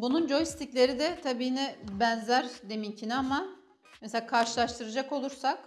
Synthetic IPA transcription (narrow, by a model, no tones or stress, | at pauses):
bunund͡ʒo̞jsi̥t̪ʰicʲlʲe̞ɾid̪ɛt̪ʰabiːhinɛbænzæɾd̪e̞mincʰinama | meselʲaːkʰaɾʃɯlˠaʃt̪ʰɯɾad͡ʒako̞lˠuɾsak